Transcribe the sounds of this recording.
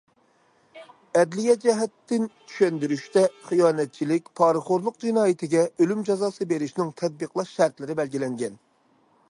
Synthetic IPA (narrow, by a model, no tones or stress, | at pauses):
ɛd̪lijɛd͡ʒɛɦɛt̪ːɪnt̪ʰy̥ʃɛnd̪yɾyʃt̪ɛχijɑːnɛt̪̚t͡ʃʰilɪkʲpʰɑːɾɨχoɾlˠʊq̚d͡ʒinɑːjɪt̪ʰɪɡʲɛølymd͡ʒɑzɑːsɨbeɾɪʃnɪŋt̪ʰɛd̪̚bəqlˠɑʃʃæɾt̪lɪɾɪbɛlɡʲilɛŋɡʲɛn